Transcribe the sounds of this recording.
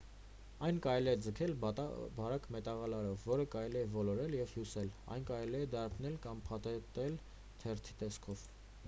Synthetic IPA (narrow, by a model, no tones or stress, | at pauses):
ɑjnkɑɾɛliɛd͡zəkʰɛlbɑɾɑkmɛt̪ɑʁɑlɑɾɔvːɔɾəkɑɾɛliɛvɔlɔɾɛljɛvhjusɛlɑ̰jnkɑɾɛliɛd̪ɑɾpʰnɛlkɑmpʰɑt̪ɛt̪ɛl | t̪ʰɛrt̪ʰi̥t̪ɛskʰɔv